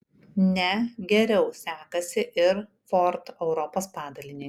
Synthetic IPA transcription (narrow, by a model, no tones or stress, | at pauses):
nʲɛɡʲɛɾʲɛʊsʲæːkɐsʲɪʔɪɾ | fɔɾt̪ɛʊɾɔpoːspɑːd̪ɐlʲɪnʲɪ